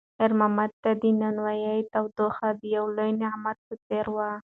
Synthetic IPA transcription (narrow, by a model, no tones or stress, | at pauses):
ɪɾmamad̪̚t̪ad̪inanwajajt̪awd̪oxad̪əjawlojnaamad̪̚pət̪eɾwa